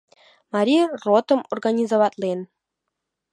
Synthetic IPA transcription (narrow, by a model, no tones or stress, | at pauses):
mɑɾʲirot̪ɤ̆morɡanʲizoʋɑt̪lʲˠen